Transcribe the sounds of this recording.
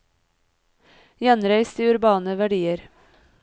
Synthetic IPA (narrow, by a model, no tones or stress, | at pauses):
jɛnɾæɪst̪iːʉɾbɑːnəʋæɖiːəɾ